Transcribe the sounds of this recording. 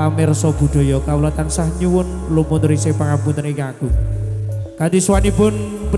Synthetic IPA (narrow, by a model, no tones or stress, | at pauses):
amɪrsɔb̥ṳd̪̥ɔ̤jɔkaulat̪ansahɲuwʊn | lumunɾisepaŋampunt̪ənikaku | kand̪iswanibʊ̤n | b